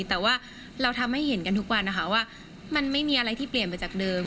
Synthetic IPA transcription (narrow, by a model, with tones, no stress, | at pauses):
t̪ɛː˨˩waː˥˩ | ɾa˧wt̪ʰa˧mha˥˩jɦe˩˦nka˧nt̪ʰu˦˥k̚wa˧nːʔa˦˥kʰa˦˥waː˥˩ | ma˧nma˥˩jmiː˧ʔa˧ɾa˧jt̪ʰiː˥˩pli˨˩ənpa˧jt͡ɕaː˨˩k̚dɤː˧m